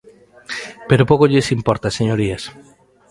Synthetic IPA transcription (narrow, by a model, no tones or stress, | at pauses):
peɾopokoʎesimpɔɾt̪aseɲoɾias